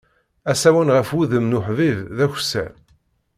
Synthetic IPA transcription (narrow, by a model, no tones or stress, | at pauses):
æsæwənʁəfwuðəmnʊħvivðæçsæ̰